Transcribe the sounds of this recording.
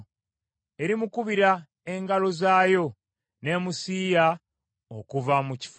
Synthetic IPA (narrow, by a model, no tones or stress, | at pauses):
e̞ɾimukuβiɾa | e̞ŋɡalo̞zaːjo̞ | ne̞ːmusiːja | okuvamuci̥f